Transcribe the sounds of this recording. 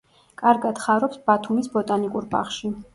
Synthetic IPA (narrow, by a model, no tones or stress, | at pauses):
kʼaɾɡad̪̥χaɾɔpsb̥at̪ʰumisbɔt̪ʼanikʼuɾba̰χʃi